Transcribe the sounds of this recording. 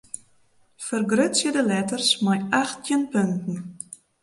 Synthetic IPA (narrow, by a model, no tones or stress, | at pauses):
fərɡrøtsjədəlɛtərsmajaχt̚ənpɵntn̩